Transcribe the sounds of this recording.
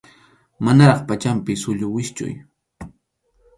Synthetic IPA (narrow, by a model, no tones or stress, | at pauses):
manaɾɑχpat͡ʃampɪsʊʎʊwɪst͡ʃʊ̰j